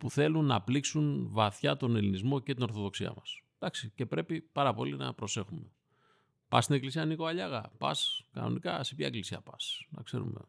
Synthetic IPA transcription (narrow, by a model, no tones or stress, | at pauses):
puθe̞lunːɐpliksunvɐθçɐt̪o̞ne̞linizmo̞ce̞t̪ino̞ɾθo̞ðo̞ksiɐ̰mɐs | d̪ɐksice̞pɾe̞pipɐɾɐpo̞linɐ̰pɾo̞se̞xume̞ | pɐst̪ine̞klisiɐniko̞ɐʎɐɣɐ̰pɐ̰skɐ̰no̞̰nikɐsepçɐeklisiɐpɐsnɐ̰kse̞̰ɾṵme̞̰